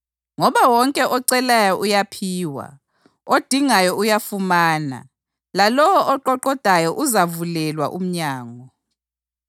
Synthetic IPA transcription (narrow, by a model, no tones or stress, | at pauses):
ŋɔβawɔŋkʼɛʔɔǀɛlajɔʔujapʰiːwa̰ | od̥ʱiŋajɔujafumaːna̰ | lalɔwʔɔǃɔǃɔd̥ʱajɔʔuzavulɛlwa̰ʔum̩ɲaːŋɔ